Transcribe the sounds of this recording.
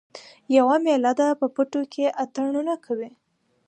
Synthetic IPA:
jawamelad̪apəpəʈokʰeʔat̪aɳunakʰawi

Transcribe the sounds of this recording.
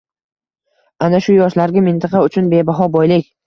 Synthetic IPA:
anaʃʊjɒʃlaɾɡʲamɪnt̪ʰɑqʰɑʊt͡ʃʰʊnbe̞baɦɒbɒjlɪkʲ

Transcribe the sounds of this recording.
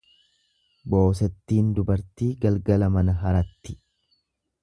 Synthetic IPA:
bo̞ːs̬ɛt̪ːiːnd̪ʊbɐɾt̪iːɡɐlɡɐlɐmɐnɐɦɐɾɐt̪ːɪ̥

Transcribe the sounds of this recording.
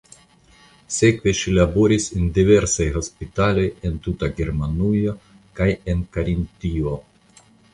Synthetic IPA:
se̞kve̞ʃilabo̞ɾisendive̞ɾsajɦo̞spitalo̞jent̪utaɡeɾmanujo | kajenkaɾint̪io

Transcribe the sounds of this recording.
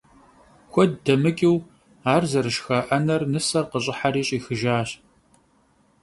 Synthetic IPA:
kʷɔd̚dɐmɨkʼiw | aːrzɐrɨʃxɐʔɐnɐrnɨsɐrqəɕʼɪħaɾiːɕʼiːxɨʒaːɕ

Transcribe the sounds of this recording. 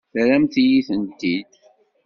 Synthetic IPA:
θɾæmt̪ijiθənt̪id̪

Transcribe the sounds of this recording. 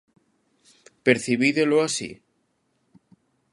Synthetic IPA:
peɾθiβiðeloasḭ

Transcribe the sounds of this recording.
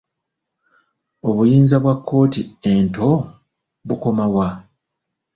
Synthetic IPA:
o̞βujiːnzaβwakːo̞ːtiento̞ | βuko̞mawa

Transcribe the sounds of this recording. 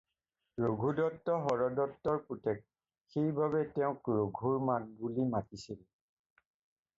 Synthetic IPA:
ɹoɡʱudɔtːɔɦɔɹɔdɔtːɔɹputɛk̚ | xejbabɛtɛʊ̃kɹoɡʱuɹmak̚bulimatisilɛ

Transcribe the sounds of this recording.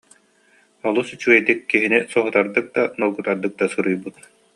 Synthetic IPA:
ɔlˠusyt͡ɕuɡɛjd̪ikːiɦinisɔɦut̪aɾd̪ɯk̚d̪anɔlˠɡut̪aɾd̪ɯk̚d̪asuɾujbut̪̚

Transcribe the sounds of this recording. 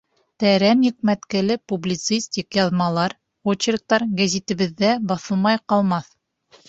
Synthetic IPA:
t̪æɾænjɘ̆k̚mæt̪kælɘpublʲit̪sɨsʲt̪ʲikjɑðmɑlˠɑɾ | wot͡ɕɪrk̚t̪ɑɾɡæzʲit̪ɘ̆βɘ̆ðːæbɑθɤ̆lˠmɑjqɑlˠmɑθ

